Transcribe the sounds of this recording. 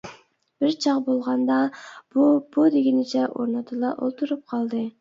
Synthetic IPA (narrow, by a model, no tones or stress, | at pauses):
b̥ɪɾt͡ʃʰɑqbolˠʁɑnd̪ɑb̥ub̥ud̪ɪɡʲinɪt͡ʃʰɛʔo̰ɾnɨt̪ʰɨlˠɑʔo̰lˠt̪ʰuɾup̚qʰɑlˠd̪ɨ